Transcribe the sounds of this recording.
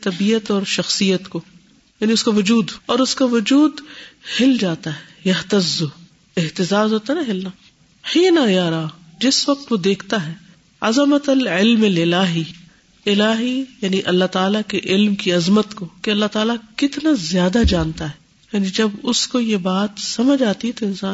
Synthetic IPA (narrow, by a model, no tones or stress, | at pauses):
t̪ɐbiːət̪ɔːɾʃɐxsijət̪ko | jaːniʊskaʋʊd͡ʒuːd̪ɔːɾʊskaʋʊd͡ʒuːd̪hɪld͡ʒaːt̪aɦɛːjɐɦt̪ɐzːʊ | ɪɦt̪ɪzaːzɦoːt̪anaɦɪlnaː | hiːnajaːɾaː | d͡ʒɪsʋɐq̚t̪ʋod̪eːkʰt̪aɦɛː | ɐzəmət̪ɐlɪlmɐlɪlaːɦi | ɪlaːɦijaːniʔɐlːaɦt̪aːlakeʔɪlmkiɐzmət̪kokeɐlːaɦt̪aːlakɪt̪nazjaːd̪ad͡ʒãːnt̪aɦɛː | jaːnid͡ʒɐbʊskojebaːt̪sɐməd͡ʒaːt̪iɦɛt̪oɪ̃nsaːn